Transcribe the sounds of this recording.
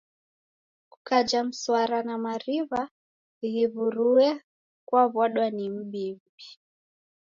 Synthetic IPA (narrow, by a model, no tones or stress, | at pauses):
ku̥kad͡ʒam̩swaɾanamaɾiβa | ɣiβuɾuɛ | kwaβwaɗwanim̩ɓim̩bi